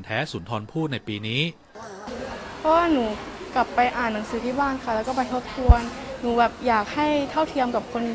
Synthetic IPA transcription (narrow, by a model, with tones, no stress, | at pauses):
nt̪ʰɛː˦˥suː˩˦nt̪ʰɔː˧npʰuː˥˩t̪̚na˧jpiː˧niː˦˥ | pʰɔ˦˥waː˥˩nuː˩˦kla˨˩pːa˧jʔaː˨˩nːa˩˦ŋsɯː˩˦t̪ʰiː˥˩baː˥˩nkʰa˥˩lɛː˦˥kɔː˥˩pa˧jt̪ʰo˦˥p̚t̪ʰu˧ənnuː˩˦bɛː˨˩p̚jaː˨˩k̚ha˥˩jt̪ʰa˥˩wt̪ʰi˧əmka˨˩p̚kʰo˧n